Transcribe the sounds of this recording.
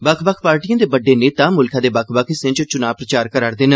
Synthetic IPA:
bəkʰbəkʰpaːɾʈijãːd̪eːbəɖeːneːt̪ãːmʊlkʰãːd̪eːbəkʰbəkʰɪsẽːt͡ʃt͡ʃʊnaːʋpɾət͡ʃaːɾkəɾaːɾd̪ɪn

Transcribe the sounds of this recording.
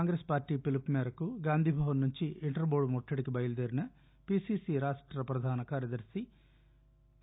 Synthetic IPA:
aːŋɡɾespaːɾʈiːpilipmɛːɾɐkuɡaːnd̪ʱiːbʱaːʋɐnːuɲt͡ʃiiɳʈɐɾboːɽumɔʈʰːɐɽikibɐjɐlud̪eːɾinɐ | piːsiːsiɾaːʂʈɾɐpɾɐd̪ʱaːnɐkaːɾjɐd̪ɐɾsi

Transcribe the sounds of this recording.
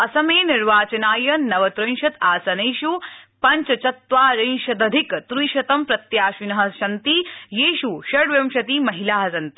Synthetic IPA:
ɐsɐmeːniɾʋaːt͡ʃɐnaːjɐnɐʋɐt̪ɾɐnʃɐt̪aːsɐneːʃupɐɲt͡ʃɐt͡ʃɐt̪ʋaːɾɐnʃɐd̪ɐd̪ʱikt̪ɾiːʃɐt̪ɐmpɾɐt̪jaːʃinɐɦɐ̆ʃɐnt̪ijeːʃuʃɐɽʋjɐmʃɐt̪iːmɐɦilaːɦɐsɐnt̪i̥

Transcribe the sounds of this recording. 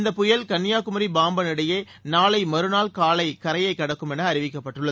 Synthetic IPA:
nd̪ɐpːʊjɐlkɐnːɪjaːkɯmɐɾibaːmbɐnɪɽɐjeː | naːlɐɪmɐɾɯnaːlkaːlɐɪkɐɾɐjɐɪkːɐɽɐkːɯmɛnɐːɾɪʋɪkːɐpːɐʈːɯɭːɐð

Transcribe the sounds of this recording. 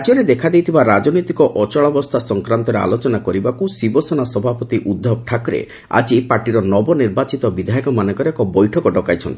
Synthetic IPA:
d͡ʒɔɾed̪ekʰad̪ejt̪ʰibaɾad͡ʒɔnojt̪ikɔʔɔt͡ʃɔɭɔbɔst̪ʰasɔŋkɾant̪ɔɾea̰lot͡ʃɔnakɔɾibakusibɔsenasɔbʱapɔt̪iʔud̪ʱːɔb̚ʈʰakɾḛ | a̰d͡ʒipaɾʈiɾɔnɔbɔniɾbat͡ʃit̪ɔbid̪ʱajikɔmanɔ̃kɔɾekɔbɔjʈʰɔkɔɖɔkajt͡ʃʰɔ̰nt̪ii̥

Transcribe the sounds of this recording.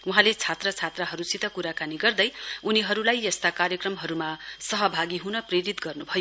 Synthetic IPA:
uɦãlet͡sʰat̪rʌt͡sʰat̪rʌɦʌɾusit̪ʌkuɾakaniɡʌrd̪ʌjuniɦʌɾulajjʌst̪akarjʌkrʌmɦʌɾumasʌɦʌbʱaɡiɦunʌpreɾit̪ɡʌrnubʱʌjo

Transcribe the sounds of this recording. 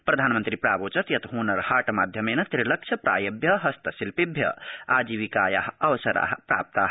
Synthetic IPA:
pɾɐd̪ʱanmənt̪ɾipɾabot͡ʃət̪jɐt̪ɦunəɾhaʈmad̪ʱjəmenɐt̪ɾilɐk̚t͡ʃʰəpɾa̰jəbjəɦɐst̪əsilpibʱjə̰ad͡ʒiʋikajaɦəʋsɐɾa̰ɦpɾa̰p̚t̪aɦ

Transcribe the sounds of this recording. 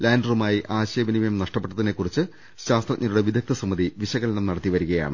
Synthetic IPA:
laːndrumaːjiʔaːɕeːbɐnimɐjɐmnɐʂʈɐp̬ːe̞ʈːɐðine̞kːurit͡ɕːɨ | ɕaːst̪rɐɲʔːɐɾuɽe̞ʋid̪ʱjɐk̚t̪ʰɐsɐmːɐðiʋiɕɐɣɐlɐnɐmnɐɽɐt̪ːiʋɐɾuɣɐja̰ːɳɨ

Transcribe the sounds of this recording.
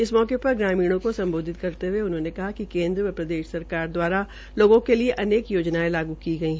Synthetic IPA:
ɪsmɔːkepɐɾɡɾaːmiːɽ̃õkosɐ̃mboːd̪ʱɪt̪kɐɾt̪eɦuweʊnɦõːnekɐɦakikẽːnd̪ɾəɐpɾɐd̪eːʃsɐɾkaːɾd̪waːɾa | loːɡõkelieʔɐneːkjoːd͡ʒnaːelaːɡukiɡɐiɦɛ

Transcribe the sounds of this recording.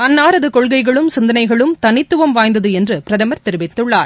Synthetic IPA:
ɐnːaːɾɐðɯkɔɭɣɐɪɣɐɭɯmsɪnd̪ɐnɐɪɣɐɭɯmt̪ɐnɪt̪ːɯʋɐmʋaːjnd̪ɐðɯɛndrɯpɪɾɐðɐmɐɾt̪ɪɾɯʋɪt̪ːɯɭːaːɾ

